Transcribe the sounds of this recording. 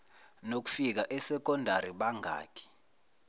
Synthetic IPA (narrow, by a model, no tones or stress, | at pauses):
nok̬u̥fik̬aʔɛsɛk̬ɔndʱaɾiɓaŋʱa̰ːkʰɛ̥